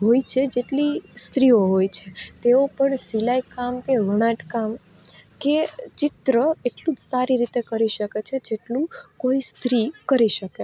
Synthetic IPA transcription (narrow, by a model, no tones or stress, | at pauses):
ɦojt͡ʃʰed͡ʒeʈlist̪ɾioɦojt͡ʃʰet̪eopəɳsilajkamkeʋəɽ̃ãʈkam | ket͡ʃɪt̪ɾəeʈlũd͡ʒsaɾiɾit̪ekəɾiʃəket͡ʃʰed͡ʒeʈlũkoist̪ɾikəɾiʃəke